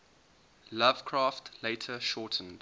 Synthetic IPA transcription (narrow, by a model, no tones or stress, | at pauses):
lav̥kʰɹɑːftʰleɪtʰəʃɔtʰə̃n̩d̥